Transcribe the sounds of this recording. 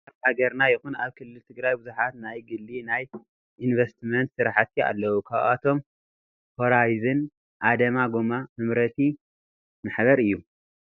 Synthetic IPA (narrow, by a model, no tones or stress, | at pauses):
aɾhaɡɐɾnajɪxuna̰βkʰɨlːɨlt̪ʰɨɡɾajbuzuħat̪najɡɨlːinaj | ʔinvɐst̪mɐnt̪sɨɾaħat̪ʰia̰lːɐwukʰaβat̪ʰo̞m | hoɾajzɨn | ʔad̪ɐmaɡomamɨmɾɐt̪ʰi | maħβɐɾɨjːu